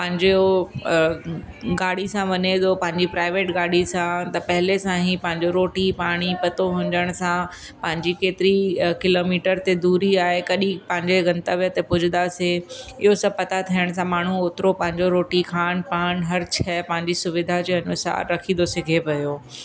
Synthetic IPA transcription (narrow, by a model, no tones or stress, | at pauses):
pɐ̃ɦɪ̃ɲd͡ʑo | ɡaːɽisãʋɐned̪opɐ̃ɦɪ̃ɲd͡ʑipɾaːɪʋeːʈɡaːɽ̤isãt̪ɐpɐɦɪlesãɦĩpɐ̃ɦɪ̃ɲd͡ʑoɾoːʈipaːɽ̃ipɐt̪oɦʊ̃ɲd̪əɽ̃sã | pɐ̃ɦɪ̃ɲd͡ʑikeːt̪ɪɾikɪloːmiːʈəɾt̪ed̪uːɾiaːɦekɐɗĩpɐɦɪ̃ɲd͡ʑeɡɐ̃nt̪aʋijot̪epʊd͡ʑʱɪd̪aseɪɦosɐb̚pɐt̪at̪ʰijəɽ̃s̬ãmaːɳ̤uoːt̪ɪɾopɐ̃ɦɪ̃ɲd͡ʑoɾoːʈikʰaːnpaːnɦɐɾt͡ɕkʰɛpɐ̃ɦɪ̃ɲd͡ʑisʊʋɪd̪ʱad͡ʑeːɐnʊsa̰ːɾːɐkʰĩd̪osɪɡʱeʋɐjoː